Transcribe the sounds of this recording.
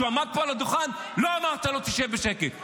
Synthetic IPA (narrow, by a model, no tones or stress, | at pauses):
uamad̪̚poalad̪uχanloamaʁt̪alot̪iʃevbeʃekel